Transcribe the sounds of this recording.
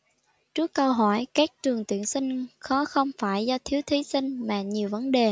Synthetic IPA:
t͡ɕɨ˦˥kːə˧wɦɔ˧˩jkaː˦˥k̚t͡ɕɨ˨˩əŋt̪ḭ˧˨ənsï˧ŋ̟xɔ˨˦xə˧wŋ͡mfaː˧˩jzɔ˧t̪ʰi˨˦əwt̪ʰi˨˦sï˧ŋ̟maː˨˩ɲi˨˩əwvə˨˦nɗe˨˩

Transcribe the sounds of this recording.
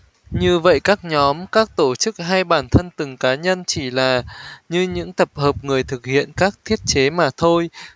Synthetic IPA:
ɲɨ˧və̰˧˨jkaː˦˥k̚ɲɔ˨˦mkaː˦˥k̚t̪o˧˩t͡ɕɨ˦˥k̚ɦaː˧jɓaː˧˩nt̪ʰə˧nt̪ɨ˨˩ŋkaː˨˦ɲə˧nt͡ɕi˧˩laː˨˩ɲɨ˧ɲɨ̰˧˥ŋt̪ə˨˩p̚həː˨˩p̚ŋɨ˨˩əjt̪ʰɨ˨˩k̚hḭ˧˨ənkaː˦˥k̚t̪ʰi˦˥ət̚t͡ɕe˨˦maː˨˩t̪ʰo˧j

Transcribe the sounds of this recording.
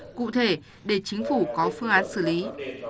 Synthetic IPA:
kṵ˧˨t̪ʰe˧˩ | ɗe˧˩t͡ɕï˨˦ŋ̟fu˧˩kɔ˨˦fɨ˧əŋʔaː˨˦nsɨ˧˩li˨˦

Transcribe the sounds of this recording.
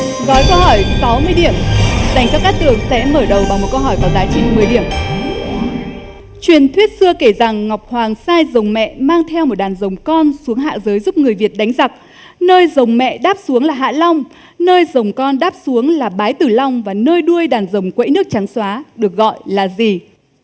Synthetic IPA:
ɣɔ˨˦jkə˧whɔ˧˩jsa˨˦wmɨ˧əjɗi˧˩əmza˨˩jŋ̟t͡ɕaː˨˧˦wkaː˦˥k̚t̪ɨ˨˩əŋsɛ̰˧˥məː˧˩jɗə˨˩wɓaː˨˩wmo˨˩t̚kə˧wɦɔ˧˩jvaː˨˩wzaː˨˦jt͡ɕï˧˩ŋmɨ˨˩əjɗi˧˩əm | t͡ɕwi˨˩ənt̪ʰwi˦˥t̚sɨ˧əke˧˩za˨˩ŋːa˨˩wk͡p̚hwaː˨˩ŋsaː˧jzə˨˩wŋ͡mmɛ̰˧˨maː˧ŋt̪ʰɛ˧wmo˨˩t̚ɗaː˨˩nzə˨˩wŋ͡mkɔ˧nsu˨˦əŋɦa̰ː˧˨zəː˨˦jzu˦˥p̚ŋɨ˨˩əjvi˨˩ət̚ɗa˨˦jŋ̟za˨˩k̚ | nəː˧jzə˨˩wŋ͡mmɛ̰˧˨ɗaː˦˥p̚su˨˦əŋlaː˨˩ɦa̰ː˧˨la˧wŋ͡m | nəː˧jzə˨˩wŋ͡mkɔ˧nɗaː˦˥p̚su˨˦əŋlaː˨˩ɓaː˨˦jt̪ɨ˨˩la˧wŋ͡mvaː˨˩nəː˧jɗu˧əjɗaː˨˩nzə˨˩wŋ͡mkwḛ˧˥nɨ˦˥ək̚t͡ɕa˨˦ŋswaː˨˦ɗɨ˨˩ək̚ɣɔ̰˧˨jlaː˨˩zi˨˩

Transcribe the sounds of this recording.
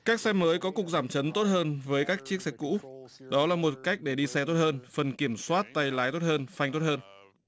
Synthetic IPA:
kaː˦˥k̚sɛ˧məː˨˦jkɔ˨˦kʊ˨˩k̚zaː˧˩mt͡ɕə˨˦nt̪o˦˥t̚həː˧nvəː˨˦jkaː˦˥k̚t͡ɕi˦˥ək̚sɛ˧kṵ˧˥ɗɔ˨˦laː˨˩mo˨˩t̚ka˦˥jk̟̚ɗe˧˩ɗi˧sɛ˧t̪o˦˥t̚həː˧nfə˨˩nki˧˩əmswaː˦˥t̚t̪a˧jlaː˨˦jt̪o˦˥t̚həː˧nfa˧jŋ̟t̪o˦˥t̚həː˧n

